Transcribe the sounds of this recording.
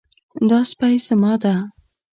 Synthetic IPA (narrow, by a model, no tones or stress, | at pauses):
d̪ɑspajsəmɑd̪a